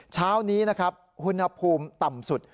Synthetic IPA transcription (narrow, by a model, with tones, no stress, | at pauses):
t͡ɕʰaː˦˥wniː˦˥na˦˥kʰɾa˦˥p̚hu˧nha˧pʰuː˧mt̪a˨˩msu˨˩t̪̚